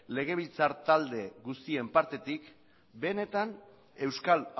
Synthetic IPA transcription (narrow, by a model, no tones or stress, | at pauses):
le̞ɣ̞e̞β̞ilt͡saɾt̪ald̪e̞ɣust̪ie̞mpaɾt̪e̞t̪ik | be̞ne̞t̪an | e̞wskal